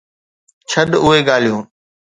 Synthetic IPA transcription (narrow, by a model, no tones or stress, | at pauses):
t͡ʃʰəɗʊɦeɡaːl̤ijũː